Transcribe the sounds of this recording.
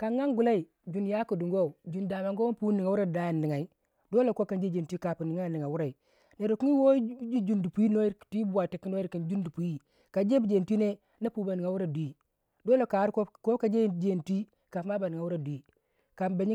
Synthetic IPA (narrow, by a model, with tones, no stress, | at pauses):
ka˨ŋːa˦ŋɡu˨la˦i˨ | d͡ʒu˨nja˦ku˨du˨ŋɡo˦˨d͡ʒu˨nda˨ma˨ŋɡo˦pu˦ni˨ŋa˨wu˦ɾa˦˨da˨˦jnːi˨ŋa˨i˦ | do˦lo˨ko˦ka˨nd͡ʒe˦d͡ʒe˨tʷi˦ka˨pu˨ni˨ŋa˦˨nːi˨ŋa˨wu˦ɾa˨i˨ | ne˨ɾo˨ku˦i˦wo˦d͡ʒi˦d͡ʒu˦ndu˨pu˨ji˦no˦ji˦ɾkti˦bu˨a˨ti˨˦kːi˦no˦i˦ɾki˨nd͡ʒu˦ndu˨pu˨ji˦ | ka˨d͡ʒe˦bu˨d͡ʒe˨n˨ti˦ne˦ | na˦pu˦ba˨ni˨ŋa˨wu˦ɾa˨du˨i˨ | do˦lo˨ka˨˦ɾko˦ko˦ka˨d͡ʒe˦d͡ʒe˦˨ntʷi˦ | ka˨˦ma˦ba˨ni˨ŋa˨wu˦ɾa˨du˨i˨ | ka˨nba˨ɲi˦